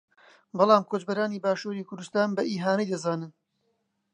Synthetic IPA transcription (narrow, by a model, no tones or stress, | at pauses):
bɑlˠɑːmkʰoːt͡ʃbɐɾaːniːbaːʃuːɾiːkʰʊɾd̪ust̪aːnbɐʔiːɦaːnijd̪ɐzaːnɨn